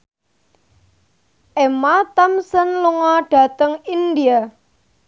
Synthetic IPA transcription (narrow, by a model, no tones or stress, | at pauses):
ʔemat̪amsənluŋɔɖ̥ä̤t̪əŋind̪ia